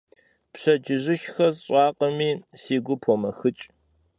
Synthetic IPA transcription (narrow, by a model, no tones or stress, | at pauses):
pɕɐd͡ʒɪʑɪʃxɐzɕʼɑːqʼɐmiːsiːɡʷʊpʰomɐxɨt͡ʃʼ